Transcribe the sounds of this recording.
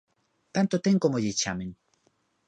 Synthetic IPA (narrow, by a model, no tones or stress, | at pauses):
t̪ant̪ot̪eŋkomoʎet͡ʃamɪŋ